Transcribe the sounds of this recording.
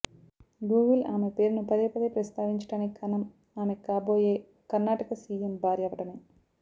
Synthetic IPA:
ɡuːʋilaːmepeːɾnupɐd̪eːpɐd̪epɾɐst̪ʰaːʋiɲt͡ʃɐ̥ʈaːnekʰɐnɐm | aːmekaːboːjeː | kɐrnaːʈɐkɐsiːembʱaːɾjɐʋɐʈɐni

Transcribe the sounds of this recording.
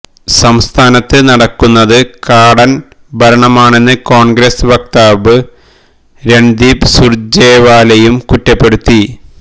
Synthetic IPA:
sɐmst̪ʰaːnɐt̪ːɨnɐɽɐkːunːɐðɨkaːɽɐn | bʱɐɾɐɳɐmaːɳe̞nːɨko̞ːɳɡɾesɨʋɐkt̪aːbɨ | ɾeɳd̪iːbsurd͡ʑeːʋaːlɐjumkutːɐpːe̞ɽut̪ːi

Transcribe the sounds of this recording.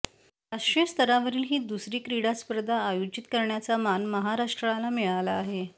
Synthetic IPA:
ɾaʂʈɾijəst̪ʰəɾaʋəɾiːlɦiːd̪usɾiːkɾiɽaspəɾd̪ʱaːjod͡ʑit̪kəɾɳjat͡samanməɦaɾaʂʈɾəalamiɭalaːɦe

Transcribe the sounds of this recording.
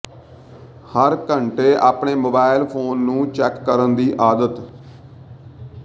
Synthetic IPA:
həɾkəɳʈeːʔaːpɳeːmoːbaːɪlpʰoːnːũːt͡ʃɛːkːəɾənd̪iːʔaːd̪ət̪

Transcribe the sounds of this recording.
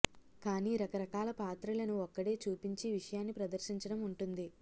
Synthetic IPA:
kaːniːɾɐkɐɾɐkaːlɐpaːt̪ɾɐlɐnuɔkːɐɽe̞ːt͡ʃuːpiɲt͡ʃiʋiʂɐjaːnːipɾɐd̪ɐɾʃiɲt͡ʃɐɽɐmuɳʈund̪i

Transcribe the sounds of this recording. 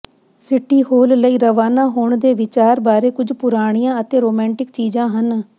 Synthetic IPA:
sɪʈːiːhoːlləiːɾəʋaːnãːɦoːɳd̪eːʋɪt͡ʃaːɾbaːɾeːkʊd͡ʒpʊɾaːɽ̃ijãːət̪eːɾoːmɛ̃ːɳʈɪkt͡ʃiːd͡ʒãːɦən

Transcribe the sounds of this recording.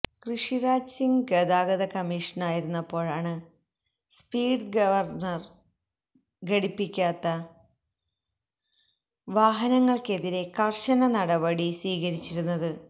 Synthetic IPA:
krɨʂiɾaːd͡ʑsiŋɡɡɐd̪aːɡɐðɐkɐmiːʂɐnaːjiɾunːɐpːo̞ːɻaːɳɨ | spiːɖɡɐʋɐrnɐr | ɡeɽipːikʲːaːt̪ːɐ | ʋaːɦɐnɐŋːɐɭke̞ðiɾe̞kɐrɕɐnɐnɐɽɐbɐɽisʋiːɣɐɾit͡ɕːiɾunːɐðɨ

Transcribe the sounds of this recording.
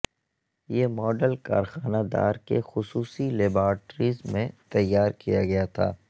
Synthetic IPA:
jeːmɔːɖəlka̰ːɾxaːnad̪a̰ːɾkḛxʊsuːsileːbaːʈɾizmẽt̪ɐjːaːɾkijaɡɐjat̪ʰa̰ː

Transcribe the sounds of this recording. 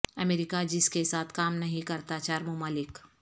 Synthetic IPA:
əmeːɾɪkad͡ʒɪskesaːt̪ʰkaːmnɐɦĩkɐɾt̪at͡ʃaɾmʊmaːlɪk

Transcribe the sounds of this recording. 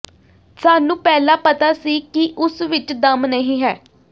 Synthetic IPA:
saːnũːpɛːlãːpət̪aːsiːkɪʔʊsʋɪt͡ʃd̪əmnəɦĩːɦɛː

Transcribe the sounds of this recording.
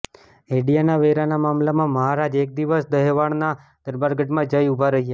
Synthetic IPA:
eɽijanaʋeɾanamamlamãməɦaɾad͡ʒek̚d̪iʋəsd̪əɦʋaɳna | d̪̥əɾbaɾɡəʈmãd͡ʒəjubʱaɾəɦije

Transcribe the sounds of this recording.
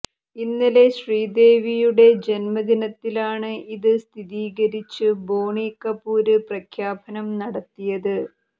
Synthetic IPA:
inːile̞ɕriːd̪e̞ːʋijuɽe̞d͡ʑenmɐd̪inɐt̪ːilaːɳɨiðɨst̪ʰiðiːɣɐɾit͡ɕːɨbo̞ːɳiːkːɐpːuːɾɨprɐkʰjaːpɐnɐmnɐɽɐt̪ːijɐðɨ

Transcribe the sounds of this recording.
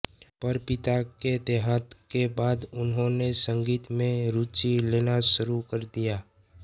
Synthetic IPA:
pɐɾpɪt̪aked̪eɦaːt̪kebaːd̪ʊnɦõnesə̃ŋɡiːt̪mẽɾuːt͡ʃileːnaʃʊɾukəɾd̪ijaː

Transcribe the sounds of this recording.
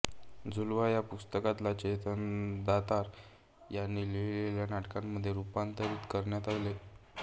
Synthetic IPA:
d͡zulʋajapust̪əkat̪lat͡ɕet̪ənd̪at̪aɾ | janːiːleʋileljanaʈkamːəd̪ʱːjeɾupant̪əɾiːt̪kəɾɳjat̪ale

